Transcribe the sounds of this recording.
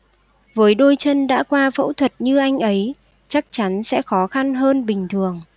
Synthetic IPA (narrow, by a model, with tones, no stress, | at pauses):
vəː˨˦jɗo˧jt͡ɕə˧nɗa̰ː˧˥kwaː˧fə̰˧˥wt̪ʰwə˨˩t̚ɲɨ˧ʔa˧jŋ̟ʔə˨˦j | t͡ɕa˦˥k̚t͡ɕa˨˦nsɛ̰˧˥xɔ˨˦xa˧nɦəː˧nɓï˨˩ŋ̟t̪ʰɨ˨˩əŋ